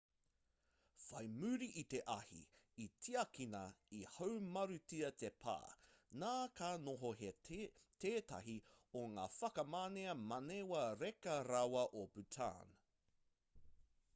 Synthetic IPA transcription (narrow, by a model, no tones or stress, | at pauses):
fɐjmʉɾiʔit̪eʔɐhḭ | itʰiɐkinɐihɐwmɐɾʉtiɐtepʰa̰ːnaːkaːnoɦoɦet̪ʰeːtɐ̰ɦioŋa̰ːfɐkɐmaːneɐmɐnewɐɾekɐɾawɐʔobʉtʰa̰ːn